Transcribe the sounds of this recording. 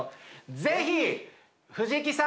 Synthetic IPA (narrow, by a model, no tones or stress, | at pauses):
d͡zeɦi | hɯd͡ʑik̬isa